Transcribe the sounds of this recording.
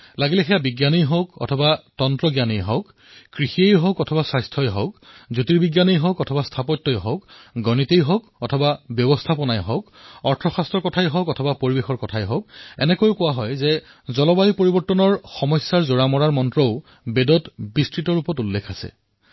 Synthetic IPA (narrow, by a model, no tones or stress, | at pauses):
laɡilɛxɛjabiɡjanijɦokɔ̰tʰɔbatɔntɹɔɡjanijɦɔk | kɹixiejɦɔkɔtʰɔbaswajstʰɔjɦɔ̰kzutiɹbiɡjanijɦɔkɔtʰɔbastʰapɔtːɔjɦɔkɡɔnitejɦɔkɔtʰɔbabjɔbɔstʰapɔnajɦɔkɔɹtʰɔxastɹɔɹkɔtʰajɦɔkɔtʰɔbapoɹibexɔɹkɔtʰajɦɔk̚ɛ̰nɛkojʊkʊwaɦɔjzɛ | zɔlɔbajipoɹibɔɹtːɔnɔɹxɔmɔjsːaɹzoɹamɔɹaɹmɔntɹɔʊ | bedɔtbistɹitɔɹupɔtulːekʰasɛ̰